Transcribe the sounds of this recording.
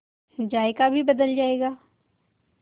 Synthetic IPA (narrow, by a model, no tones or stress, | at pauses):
d͡ʒaːekabʱibɐd̪əld͡ʒaːeːɡaː